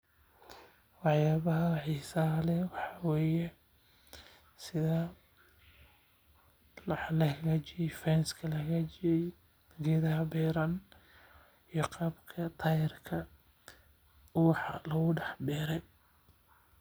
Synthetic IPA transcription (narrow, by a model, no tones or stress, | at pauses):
wɑħjaːβɐɦɐħisalɛwɑħɑwɛːjɛ | sɪðɐ | lɐkʰɐɣɐt͡ʃɪɛjfɛnskʰɐlɐkɣɐt͡ʃɪjɛj | ɡɛːðɐɦɐbɛːɾɐn | ijɔqɑːbkʰɐt̪ʰɐjɪrkʰɐ | wɑħɑ̰lɐɣʊɖɛħbɛːɾɛj